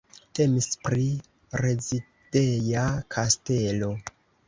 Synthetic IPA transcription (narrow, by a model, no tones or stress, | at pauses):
te̞mispɾi | ɾe̞zi | d̥ejakʰaste̞lo̞